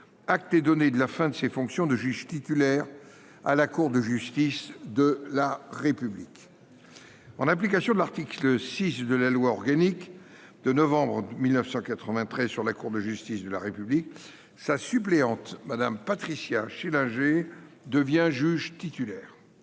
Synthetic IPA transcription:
ak̚t̪ɛd̪ɔned̪əlafɛ̃d̪əsefɔ̃ksjɔ̃d̪əʒyʒt̪it̪ylɛʁ | a̰lakuʁd̪əʒyst̪isd̪əlaʁepyblik | ɑ̃nap̬likasjɔ̃d̪əlaʁt̪ikləsisd̪əlalwaɔʁɡanik | d̪̥ənɔvɑ̃bʁəmilnəfsɑ̃kat̪χəvɛ̃t̪χɛzsyʁlakuʁd̪əʒyst̪isd̪əlaʁepyblik | sasypleɑ̃t̪mad̪ampat̪χisjaʃelɛ̃ʒe | d̪əvjɛ̃ʒyʒt̪it̪ylɛːʁ

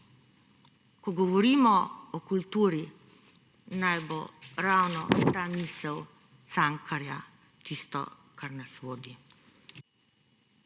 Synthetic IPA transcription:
kɔɡɔʋɔɾiːmɔɔkult̪uːɾi | najboɾawnɔt̪amiːsɛw | t̪saŋkʰaɾja | t̪ist̪ɔ̰ | kaɾnasʋoːd̪i

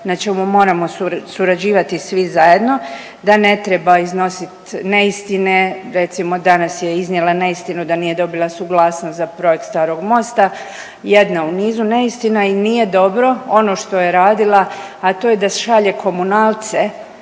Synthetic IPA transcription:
nat͡ʃe̞mumo̞ːɾamo̞susuɾad͡ʑiːʋat̪isʋizaje̞d̪no̞ | d̪ane̞t̪ɾe̞baizno̞sit̪ne̞ist̪ine̞ɾe̞t̪simo̞d̪anasje̞iznʲjelane̞ist̪inud̪anije̞d̪o̞bilˠasuɡlˠaːsnost̪zapɾo̞jek̚t̪st̪aːɾo̞ɡmo̞st̪a | je̞d̪nauniːzune̞ist̪inainije̞d̪o̞bɾo̞o̞no̞ʃt̪o̞jeɾaːd̪ilˠa | at̪o̞ːjed̪aʃaʎe̞kʰo̞munaːlˠt̪se

